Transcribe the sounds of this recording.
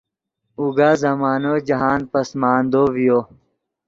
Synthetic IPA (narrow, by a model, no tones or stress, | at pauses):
uɡaːzɐmaːnod͡ʑɐɦaːnpɐsmaːnd̪oːʋijoː